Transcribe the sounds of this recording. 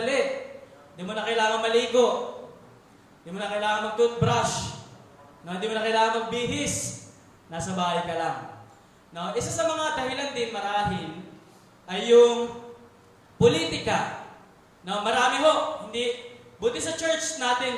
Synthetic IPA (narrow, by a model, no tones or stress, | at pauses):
lɛtɪnd̪iːmonɐkɐjlaːŋɐŋmɐliːɡo̞ʔ | nd̪iːmonɐkɐjlaːŋɐnmɐɡ̚t̪ʊʔnbɾaʃ | noɪnd̪iːmonɐkɐjlaːɐŋɐŋbiːɦɪs | naːsɐbaːhɐjkɐlaŋ | no̞ʔɪsasɐmɐŋad̪ɐhɪland̪ɪnmɐɾaːɦɪl | ʔɐjːʊŋ | poliːt̪ɪkɐ | no̞mɐɾaːmɪɦo̞ʔhɪnd̪ibʊt̪ɪsɐt͡ʃɛɹt͡ʃnaːt̪ɪn